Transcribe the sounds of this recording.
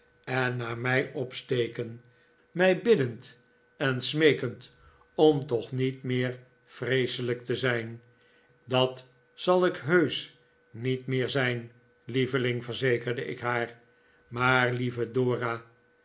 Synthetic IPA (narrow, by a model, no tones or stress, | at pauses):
ɛnːaːmɛjɔpstejkən | mɛjbɪdənt | ɛnsmejkənt | ɔmtɔχnitmɪːɹ | frejsələk̚təzɛjn | dɑt | sɑlˠɪkɦøɥs | nitmɪːɹzɛjn | livəlɪŋvəɹzejkəɹdəʔɪ̰kɦaːɹ | maːɹlivədoːraː